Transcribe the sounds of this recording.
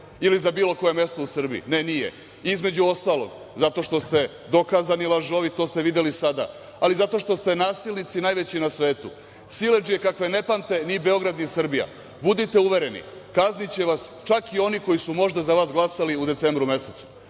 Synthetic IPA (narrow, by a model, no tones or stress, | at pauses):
ilizabiːlo̞ko̞je̞me̞st̪o̞usr̩biḭne̞nijḛ | izme̞d͡ʑuo̞st̪aːlo̞̰ɡ | zat̪o̞ʃt̪o̞st̪e̞ | d̪o̞kaːzanilˠaʒo̞ʋit̪o̞ːst̪e̞ʋid̪jelisad̪a̰ | alizat̪o̞ʃt̪ost̪e̞naːsilnit̪sinaːjʋe̞t͡ɕinasʋe̞ːt̪ṵ | sile̞d͡ʒije̞kakʋe̞ne̞pant̪e̞nibe̞o̞ɡɾad̪nisr̩bija̰ | bud̪it̪e̞uʋe̞ɾe̞nḭkaznit͡ɕe̞ʋast͡ʃakio̞niko̞jisumo̞ʒd̪azaʋaːzɡlˠasaliud̪e̞t̪se̞ːmbɾume̞set̪su̥